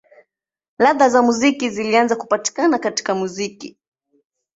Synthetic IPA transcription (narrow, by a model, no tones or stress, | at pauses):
laðazamuzikizilianzakupati̥kanakati̥kamuziki